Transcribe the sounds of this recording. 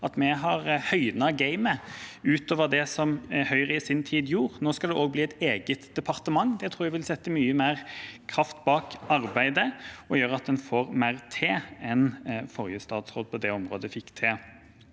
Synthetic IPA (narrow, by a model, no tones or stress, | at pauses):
ɑt̪mɛɦɑʁhœʏd̪nɑɡæɪməʉːt̪oːʋəd̪ɛsɔmhœʏʁɪsɪnt̪ʰiːd̪juːʁnoːskɑld̪ɛʔoːɡ̚bliːɛt̪eːɡət̪d̪̥ɛpʰɑɾt̪əmɑŋːd̪ɛt̪ʰɾuːæʋɪlsɛt̪ːəmyːəmæːʁkʰɾɑft̪bɑːkɑɾbæɪd̪əɔjøːɾɑt̪̚d̪ɛnfoːʁmæɪʁt̪ʰeːɛnfɔɾjəst̪ɑːd̪sʁoːd̪̚pʰɔd̪ɛɔmʁo̰ːd̪əfɪkːt̪ʰeː